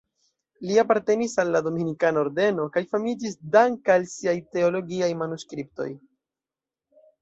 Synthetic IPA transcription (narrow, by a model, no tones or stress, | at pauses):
liapaɾte̞nisalːado̞minikanaoɾde̞no̞kajfamid͡ʒisdaŋkalsiajte̞o̞lo̞ɡiajmanuskɾip̚to̞̰j